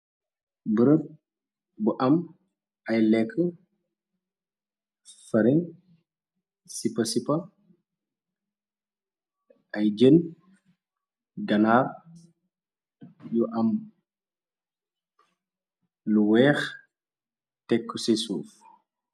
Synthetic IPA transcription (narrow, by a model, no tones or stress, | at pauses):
bəɾəp̚ | buʔɐm | ɐjlɛkʰːə | fɐɾin | sipɐsipɐ | ʔɐjd͡ʒən | ɡɐnar | juʔɐm | luwɛːx | tɛkːusɛsṵːf